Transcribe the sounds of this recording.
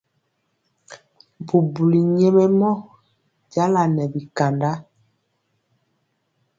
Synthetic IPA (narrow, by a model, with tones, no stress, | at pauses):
bu˨bu˨li˨ɲe˦me˦mɔ˦ | ɟa˦la˨nɛ˨bi˨ka˨nda˦